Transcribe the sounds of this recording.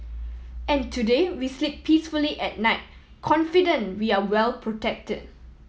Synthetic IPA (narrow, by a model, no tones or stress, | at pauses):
ɛ̃ntʰudewislip̚pʰisfuliʔɛt̚naɪt̚ | kʰɔ̃nfidə̃nwiawɛlpʰɹotɛk̚təd̚